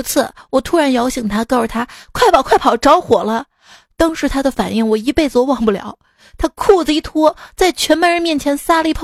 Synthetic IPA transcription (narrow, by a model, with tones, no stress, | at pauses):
t͡sʰɹ̩˥˩wɔ˨˩t̪ʰu˥ɻa˧˥njɑ˧˥ʊɕi˨˩ŋt̪ʰa˥kɑ˥˩˨t̪ʰa˥kʰwa˥˩ɪɑ˨˩ʊkʰwa˥˩ɪpʰɑ˨˩ʊʈ͡ʂɑ˧˥ʊxwɔ˨˩lə˦ | t̪ɑ˥ŋʂɻ̩˧˥t̪ʰa˥d̪ə˨fa˨˩ni˥˩ŋwɔ˨˩i˧˥pe˥˩ɪt͡swɔ˧˥wɑ˨˩ŋpu˥˩ljɑ̰˨˩˦ʊ | t̪ʰa˥kʰu˥˩d͡zə˧i˥˩t̪ʰwɔ˥t͡sa˥˩ɪt͡ɕʰɥɛ˧˥npə˧˥ɻə˧˥nmjɛ˥˩nt͡ɕʰjɛ˧˥nsa˥lə˨˧i˥pʰ